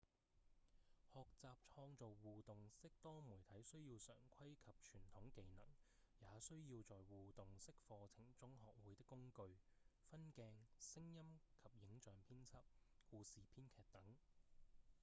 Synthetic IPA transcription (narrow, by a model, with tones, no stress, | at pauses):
hɔː˨k̚t͡saː˨p̚t͡ʃʰɔː˧ŋt͡so˨wwuː˨t̪ʊ˨˩ŋsɪ˥k̚t̪ɔː˥muː˨˩jt̪ʰɐ˨˥jsɵ˥ɥjiː˧wsœ̰ː˨˩ŋkʷʰɐ˥jkʰɐ˨p̚t͡ʃʰyː˨˩nt̪ʰʊ˨˥ŋke˨˧jnɐ̰˨˩ŋ | jaː˨˧sɵ˥ɥjiː˧wt͡sɔː˨jwuː˨t̪ʊ˨˩ŋsɪ˥k̚fɔː˧t͡sʰɪ˨˩ŋt͡sʊ˥ŋɦɔː˨k̚wuː˨˧jt̪ɪ˥kːʊ˥ŋkɵ˧ɥfɐ˥nkɛː˧ŋsɪ˥ŋjɐ˥mkʰɐ˨p̚jɪ˨˥ŋt͡ʃœː˨ŋpʰiː˥nt͡sʰɐ˥p̚kuː˧siː˨pʰiː˥nkʰɛː˨k̚t̪ɐ˨˥ŋ